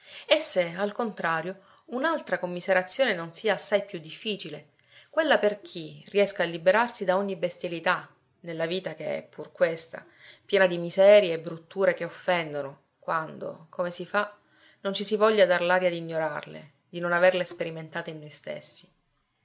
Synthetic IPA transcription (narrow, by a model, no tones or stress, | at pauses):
esːealkont̪ɾaːɾjo | unalt̪ɾakomːizeɾat̪sːjoːnenonsiːaːsːajpjud̪ːifːiːt͡ʃile | kwelːaperk̟ʰiriɛskaːlːibeɾarsid̪aɔɲːibest̪jalit̪a | nelːaviːt̪akeɛ̰pʰːurkwest̪a̰ | pjɛːnad̪imizɛːɾjeːbɾut̪ːuːɾekeofːɛnd̪ono | kwand̪o̰komesifa | nont͡ʃisivɔlʎːad̪arlaːɾjad̪iɲːoɾa̰rlḛ | d̪inonaverlespeɾiment̪aːt̪einːojst̪ḛsːi̥